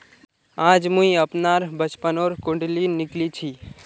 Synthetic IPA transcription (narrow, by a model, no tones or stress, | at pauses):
aːd͡ʒmũĩəpnaːɾbət͡ʃpənoːɾkʊɳɖlinɪklit͡ʃʰi